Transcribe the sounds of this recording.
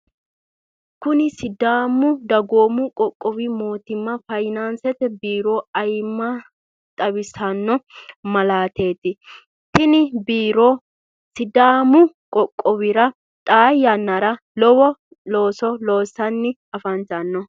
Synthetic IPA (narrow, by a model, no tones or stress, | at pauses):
kʊnɪsɪd̪aːmʊd̪ɐɡoːmʊkʼɔkʼːɔbɪmo̞ːt̪ɪmːɐfɐjnansɛt̪ɛbiːɾo̞ːɐjmːɐ | t̪ʼɐβɪsɐnːɔmɐlaːt̪e̞ːt̪ɪ | t̪ɪnɪbiːɾo | sɪd̪aːmʊ | kʼɔkʼːɔβɪɾɐ | t̪ʼaːjːɐnːɐɾɐ | lɔwɔ | loːsɔlo̞ːsɐnːɪ | ɐfɐnt͡ʃɐnːɔ